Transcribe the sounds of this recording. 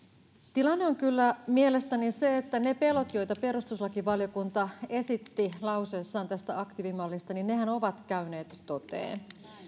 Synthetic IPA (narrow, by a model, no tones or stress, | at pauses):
t̪ilɑnːeoŋkylːæmiele̞st̪æniseet̪ːænepe̞lot̪jojt̪ɑpe̞ɾust̪uslɑkiʋɑljo̞kunt̪ɑesit̪ːilɑuseːsːɑːnt̪æst̪æɑkt̪iʋimɑlːist̪ɑninne̞hæno̞ʋɑt̪kæyne̞ːt̪ːot̪ḛːn